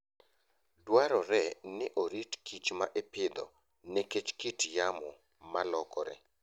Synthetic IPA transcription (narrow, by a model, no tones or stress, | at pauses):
dwaɾɔɾɛnɪʔoɾitkʰit͡ʃmaʔepɪd̪ɔ̰ | nɛket͡ʃkitjamɔ | malɔkɔɾɛ̰